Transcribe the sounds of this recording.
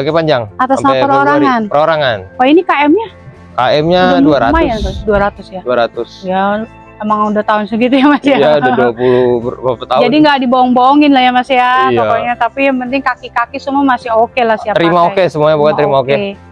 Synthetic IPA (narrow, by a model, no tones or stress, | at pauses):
kepaɲd͡ʒaŋat̪asamnapəɾoɾaŋanpəɾoɾaŋanwainikaɛmɲa | kaɛmɲaduaɾa̰tmajaduaɾat̪ʊsjaduaɾat̪ʊsja | emaŋudat̪aʊnsəɡit̪ujamasiajaduapulupt̪ad͡ʒadiŋɡadiboɔŋboɔŋɪnlahjamasiat̪okoɲat̪apijaŋpənt̪ɪŋkakikakisəmuamasɪɦokelahsiat̪əɾimaokesəmuaɲabukant̪əɾimaoke